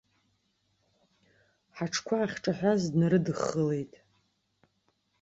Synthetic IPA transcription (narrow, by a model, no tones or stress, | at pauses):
ħaʈ͡ʂʰkʷʰaːχʲʈ͡ʂʼaħʷazdnaɾɨdɨχːəle̞jtʼ